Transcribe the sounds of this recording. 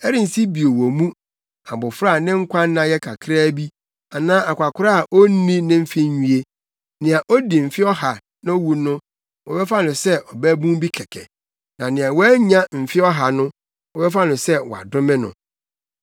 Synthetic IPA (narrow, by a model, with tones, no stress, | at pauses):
ɛ˦ɾĩ˦n̩˨si˦bi˨o˨wɔ˨mũ˦ | a˨bʊ˨fɾa˦˨nɪ̃˦ŋ̩˦kʷʰã˦n˦nã˦jɛ˦kʰa˨kʰɾaː˦bi˦ | a˨nãː˦ʔa˨kʷa˨kʷʰʊ˦ɾa˦a˨ʔo˦nĩ˦nɪ̃˦m̩˦fɪ˦ũ˨e˦ | nɪ̃˨a˨ʔɔ˦di˨m̩˨fɪ˦ɔ˦ha˨ | nã˦wu˨nʊ̃˦ | wɔ˨bɛ˦fa˦nʊ̃˨sɛ˦ʔɔ˨bæ˦bũ˦m˦bi˦kʰɛ˨kʰɛ̰˨ | nã˨nɪ̃˨a˨wɔ˦ɲã˦m̩˨fɪ˦ɔ˦ɦa˨nʊ̃˦ | wɔ˨bɛ˦fa˦nʊ̃˨sɛ˦wɔ˨a̰˨dʊ̃˦mɪ̃˦nʊ̰̃˨